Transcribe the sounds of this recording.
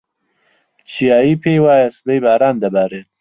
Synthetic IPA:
t͡ʃijaːipʰeːwaːjɐsbejbaːɾaːnd̪ɐbaːɾe

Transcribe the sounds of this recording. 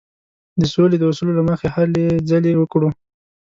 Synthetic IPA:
d̪əsoled̪əwasulolaməxehaled͡zalewəkɽu

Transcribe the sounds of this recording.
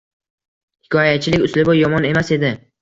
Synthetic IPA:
hhɪkʰɒjat͡ʃʰɪlɪkʲʊslɪbojɒmɒne̞mase̞d̪ɪ

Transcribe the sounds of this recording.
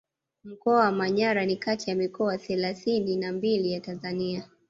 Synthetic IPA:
m̩kɔawamaɲaɾanikatijamikɔaθɛlaθininambilijatanzania

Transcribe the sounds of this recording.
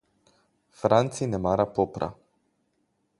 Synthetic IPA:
fɾant̪sinemaɾapopɾa̰

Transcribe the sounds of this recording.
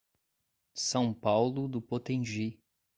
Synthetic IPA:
sɐ̃w̃pawlʊd̪ʊpot̪ẽʒi

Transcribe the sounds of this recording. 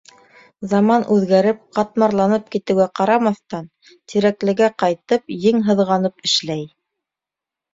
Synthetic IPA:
zɑmɑnʔʉðɡæɾɘp̚qɑt̪̚mɑɾlˠɑnɤp̚kit̪ɘ̆wɡæqɑɾɑmɑθt̪ɑn | t̪iɾæklɘ̆ɡæqɑjt̪ɤpjɘŋɦɤ̆ðʁɑnɤpɘ̆ʃlæj

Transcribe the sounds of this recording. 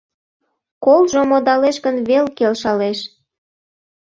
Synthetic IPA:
kolʒomod̪ɑleʃɡənβelkelʃɑleʃ

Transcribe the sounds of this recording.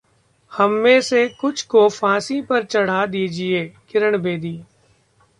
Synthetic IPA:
hɐmːẽːsekʊt͡ʃʰkofãːsipɐɾt͡ʃɐɽ̤ad̪iːd͡ʒieːkɪɾəɳ̃beːd̪iː

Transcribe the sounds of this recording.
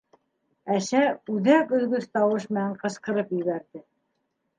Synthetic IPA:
æsæʉðækɵ̆ðɡɵðt̪ɑwɤʃ̬mɘ̆næɴqɤ̆sqɤ̆ɾɤpjɵ̆βæɾðɘ

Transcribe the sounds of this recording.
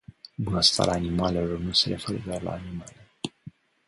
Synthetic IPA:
bunəst̪a̰ɾʲaːnimalelo̞rnuse̞ɾe̞fe̞ɾə̰d̪eoarla̰ːnimale

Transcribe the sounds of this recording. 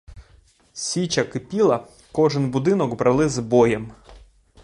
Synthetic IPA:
sʲit͡ʃɐkɪpʲilˠɐ | kɔʒɪnbʊd̪ɪnɔɡbɾɐlˠɪzbɔjɛm

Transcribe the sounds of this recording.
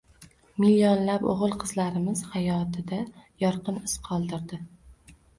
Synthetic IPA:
milionlapo̰ʁɨlˠqʰɨzlaɾɪmɪz̥hajɒt̪ʰɪd̪ajɒɾqɨnɪsqʰɒlˠd̪ɪɾd̪ɪ

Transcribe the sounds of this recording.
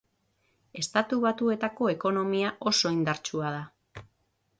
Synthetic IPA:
e̞st̪at̪uβat̪ue̞t̪ako̞e̞ko̞no̞miaʔo̞so̞ind̪aɾt͡ʃuað̞a

